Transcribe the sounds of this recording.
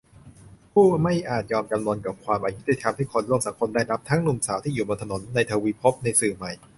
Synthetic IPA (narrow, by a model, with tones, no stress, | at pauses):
pʰuː˥˩ma˥˩jʔaː˨˩t̪̚jɔː˧mka˧mnu˧nka˨˩p̚kʰwaː˧mʔa˧ju˦˥t̪i˧˩t̪ʰa˧mt̪a˥˩jkʰo˧nlu˥˩əŋsa˩˦ŋkʰo˧ndaː˥˩jɾa˦˥p̚t̪ʰa˦˥ŋnu˨˩msaː˩˦wt̪ʰiː˥˩juː˨˩bo˧nt̪ʰa˧no˩˦nːa˧jt̪ʰaː˧wiː˧pʰo˦˥p̚na˧jsɯː˨˩ma˨˩j